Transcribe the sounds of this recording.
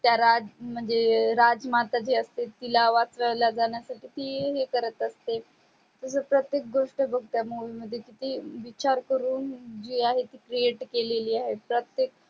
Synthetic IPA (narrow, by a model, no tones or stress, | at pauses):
t̪jaɾad͡zm̤əɳd͡zeɾad͡zmat̪ad͡ʑeəst̪et̪ilaʋat͡sɾalad͡zaɳjasaʈiːt̪iːɦekəɾət̪əst̪e | t̪əs̬əpɾət̪jek̚ɡoʂʈəbəɡ̚t̪jamoʋiməd̪ʱːjekit̪iːʋit͡ɕaɾkəɾuːnd͡ʑiːaɦet̪iːkɾieʈkeleliːaɦepɾət̪jek̚